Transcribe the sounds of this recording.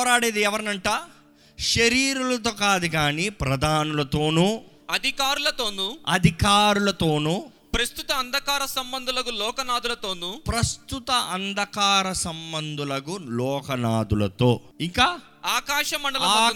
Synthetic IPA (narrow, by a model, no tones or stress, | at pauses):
ɾaːɽeːd̪iɛʋɐɾnɐɳʈaː | ʃɐɾiːɾulɐt̪̬oːkaːd̪uɡaːniːpɾɐd̪ʱaːnulɐt̪o̞ːnuː | ɐd̪ʱikaːɾulɐt̪o̞ːnuɐd̪ʱikaːɾulɐt̪oːnuː | pɾɐst̪ut̪ɐːnd̪ʱɐkaːɾɐsɐmbɐnd̪ʱulɐkulɔːkɐnaːd̪ulɐt̪oːnupɾɐst̪ut̪ɐʔɐnd̪ʱɐkaːɾɐsɐmbɐnd̪ʱulɐɡulɔːkɐnaːd̪ulɐ̰t̪o̞ːiŋkaː | aːkaːʃɐmɐɳɖɐlɐɐ